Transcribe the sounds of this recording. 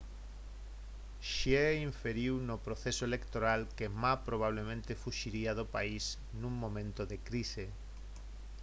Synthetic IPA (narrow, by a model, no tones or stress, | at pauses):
ʃieiɱfeɾiwnopɾoθesoelekt̪oɾalkemaspɾoβ̞aβ̞lemẽnt̪efuʃiɾiaðopais | nũŋmõmẽnt̪oðekɾise